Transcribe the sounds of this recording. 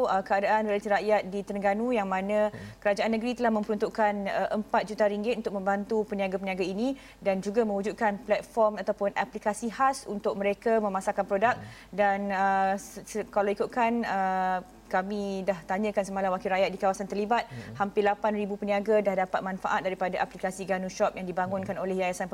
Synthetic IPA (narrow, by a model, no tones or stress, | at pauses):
əkəadaʔanrelat̪iɾaʔjat̪̚dit̪əɾəŋɡanujaŋmãnə̃kəɾad͡ʒaʔanːəɡəɾit̪əlahmə̃mpəɾunt̪uʔkanəʔəmpat̪̚d͡ʒut̪aɾiŋɡɪt̪̚unt̪ʊk̚mə̃mbant̪upəniaɡapəniaɡainĩ | dand͡ʒuɡamə̃ŋud͡ʒut̪̚kanplɛt̪̚fɔrmat̪awpʊnʔaplikasihasṵnt̪ʊk̚məɾekamə̃masakanpɾodak̚danəsəkalawikut̪̚kanə | kamĩdaht̪aɲə̃kansəmalawakiɾajat̪̚dikawasant̪ərlibat̪̚hampɪlapanribupəniaɡadahdapat̪̚mãnfa̰ʔat̪̚daɾipadaʔaplikasiɡanuʃɔp̚jaŋdibaŋʊnkanolɛhjajasan